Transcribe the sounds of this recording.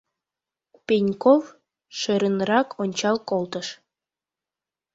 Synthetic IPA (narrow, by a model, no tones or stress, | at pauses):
penʲkov | ʃəɾənrɑkʰonʲt͡ɕɑlkolˠt̪əʃ